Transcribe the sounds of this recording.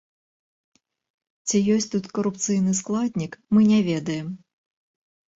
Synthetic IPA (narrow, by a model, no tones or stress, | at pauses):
t͡sʲijɔsʲt̪ut̪kɐɾupt̪sɨjnɨsklˠad̪ʲnʲikmɨnʲɛvʲɛd̪ɐjɛm